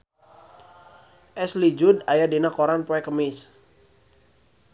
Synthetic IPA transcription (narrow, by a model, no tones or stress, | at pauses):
ʔɛslid͡ʒudajadinakoɾanpɔɛkəmɪs